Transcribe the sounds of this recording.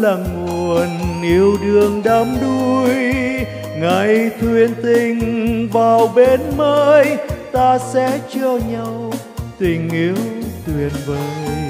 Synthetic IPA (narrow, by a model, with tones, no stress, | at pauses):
laː˨˩ŋu˨˩ənʔi˨˧˦əwɗɨ˧˩əŋɗə˨˦mɗu˧j | ŋa˨˩jt̪ʰwi˨˩ənt̪ï˨˩ŋ̟vaː˨˩wɓe˨˧˦nməː˧jt̪aː˧sɛ̰˧˥t͡ɕɔ˧ɲa˧w | t̪ï˨˩ŋ̟ʔi˨˦əwt̪ʰwi˨˩ənvəː˨˦